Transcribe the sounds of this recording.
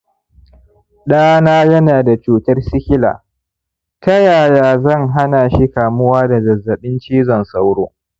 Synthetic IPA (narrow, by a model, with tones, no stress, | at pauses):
ɗaː˦naː˦jɐ˦naː˨da˨t͡ʃuː˨tɐ˦rsɪ˦kʲɪ˦la̰ː˨ | tɐ˦jaː˨jaː˨zɐ˦˨ŋɦa˦naː˨ʃi˦kaː˨mʊ˦waː˦da˨zɐ˨zːɐ˨ɓɪ˦nt͡ʃiː˦zɔ˨nsa˦wɽoː˦